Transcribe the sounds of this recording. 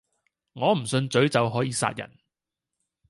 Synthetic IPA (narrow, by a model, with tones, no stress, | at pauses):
ŋɔː˨˧m̩˨˩sɵ˧nt͡sɵ˨˥ɥt͡sɐ˨wɦɔː˨˥jiː˨˧sa̰ː˧t̚jɐ̰˨˩n